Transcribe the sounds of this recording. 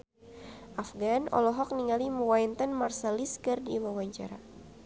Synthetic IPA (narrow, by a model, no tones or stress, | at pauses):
ʔafɡanɔ̰lɔɦɔk̚niŋaliməwaint̪anmarsaliskərdiwawaɲt͡ʃa̰ɾa̰